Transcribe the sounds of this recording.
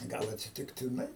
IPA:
ˈɡɐlˠ ɐtʲsʲɪtʲɪktʲɪˈnɐɪ

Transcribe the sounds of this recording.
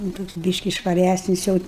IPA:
nʊ ˈtoːks ˈbʲiːʃʲkʲɪ ʃʋɐˈrʲæsʲnʲɪs jɛʊ

